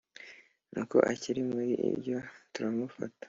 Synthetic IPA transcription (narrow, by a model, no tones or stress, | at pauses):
nuko̞̰ʔaciɾimuɾiʔḭbɟo̞tuɾamufa̰tḁ